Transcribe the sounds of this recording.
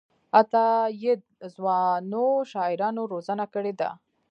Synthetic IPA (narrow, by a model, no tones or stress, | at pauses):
at̪ɑjɪd̪̚zwɑnoʃɑɪɾɑnoɾozanakəɽed̪a̰